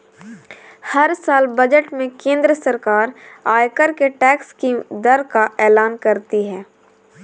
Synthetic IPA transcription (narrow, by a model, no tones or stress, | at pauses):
hɐɾsaːlbɐd͡ʒəʈmẽkẽːnd̪ɾəsɐɾkaːɾaːjkəɾkeʈɛːkskid̪ɐɾkaɛːlaːnkɐɾt̪iɦɛː